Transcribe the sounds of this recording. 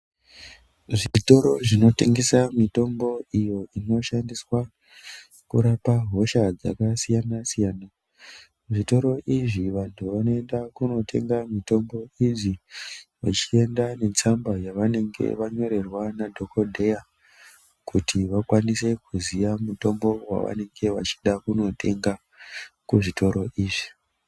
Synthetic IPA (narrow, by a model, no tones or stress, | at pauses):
ʐiito̞ɾo̞ʐino̞te̞ŋɡe̞samito̞mbo̞ijo̞ino̞ʃandiswa | kṵɾapaɦo̞ʃad͡za̰kasijanasijaːna | ʐito̞ɾo̞ʔiʐiʋantʰuʋano̞e̞ndakuno̞tʰe̞̰ŋɡamito̞mbo̞iʐiʋa̰t͡ʃie̞ndane̞t͡sambajaʋane̞ŋɡe̞̰ʋaɲo̞ɾe̞rwanadʱo̞ko̞dʱeja | kutiʋakwanise̞kuzijamuto̞mbo̞wa̰ʋa̰ne̞ŋɡe̞ʋa̰t͡ʃi̥ɗakuno̞tʰe̞ŋɡa | kuʐitʰo̞ɾo̞ʔiːʐi